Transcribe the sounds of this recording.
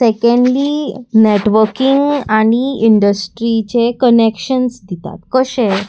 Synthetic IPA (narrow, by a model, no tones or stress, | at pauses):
sekeɳɖlineʈʋəɾkiŋɡaɽ̃iiɳɖəsʈɾit͡ɕekənekɕənsd̪it̪a̰t̪kəɕe